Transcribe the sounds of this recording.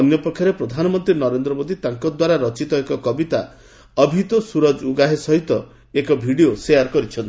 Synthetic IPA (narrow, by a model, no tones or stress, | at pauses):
ɔnjɔpɔkʰːjɔɾepɾɔd̪ʱanɔmɔnt̪ɾinɔɾend̪ɾɔmod̪it̪aŋkɔd̪waɾaɾɔt͡ʃit̪ɔekɔkɔbit̪a | ɔbʱit̪ɔsuɾɔd͡ʒuɡaɦesɔɦit̪ɔ | ekɔbʱiɽioseaɾkɔɾit͡ʃʰɔnt̪i